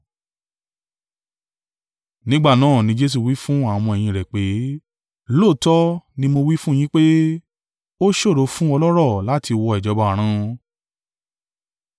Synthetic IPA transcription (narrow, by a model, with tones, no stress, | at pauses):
nĩ˦ɡ͡ba˦˨nãː˦˨nĩ˧d͡ʒe˧s̬u˨wi˦fũ˦a˦˨w̃ɔ̃˧ɛ˨j̃ĩ˧˨ɾɛ˨k͡pe˨˦ | lo˦˨tɔ˦nĩ˧mo˧wi˦fũ˦j̃ĩ˦k͡pe˦ | o˦ʃo˦˨ɾo˨˦fũ˦ɔ˧lɔ˦ɾɔ˦˨la˨˦ti˧wɔ˧ɛ˨d͡ʒɔ˨˧ba˧a˨ɾ̃ã˧